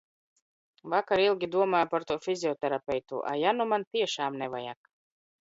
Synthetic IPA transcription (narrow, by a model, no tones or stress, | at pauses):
vakaɾilˠɡʲid̪uɔmaːjpaɾt̪uɔfʲizʲiɔt̪ɛɾapʲɛjt̪ṵʔa̰janumant̪iɛʃaːmnɛvaja̰k